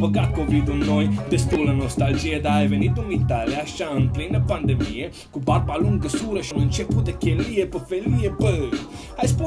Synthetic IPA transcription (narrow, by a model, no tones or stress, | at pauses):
pəɡat̪̚kovid̪ulnojd̪est̪ulənost̪ald͡ʒied̪aːjvenit̪unvit̪aljaʃaɨnplinəpand̪emije | kubarbaluŋɡəsuɾəʃinɨnt͡ʃeput̪d̪ekʲelijepəfelijebəəj | ajspu